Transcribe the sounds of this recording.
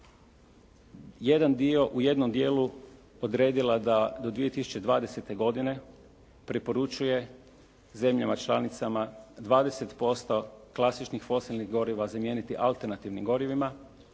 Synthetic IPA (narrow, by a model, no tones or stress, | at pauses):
jed̪and̪io̞ʔuje̞d̪no̞md̪je̞ːlu | od̪ɾe̞ːd̪ilad̪ad̪o̞d̪ʋie̞t̪isu̥t͡ʃe̞d̪ʋaːd̪e̞se̞t̪e̞ɡo̞d̪ine̞ | pɾepo̞ɾut͡ʃuje̞ | ze̞mʎamat͡ʃlˠanit̪samad̪ʋaːd̪e̞set̪po̞st̪o̞klˠasit͡ʃnixfo̞silnixɡo̞ɾiʋazamje̞ːnit̪iʔalt̪e̞ɾnat̪iʋnimɡo̞ɾiʋima